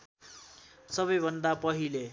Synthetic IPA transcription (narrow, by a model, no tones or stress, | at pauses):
sʌbʌjbʱʌnd̪apʌɦile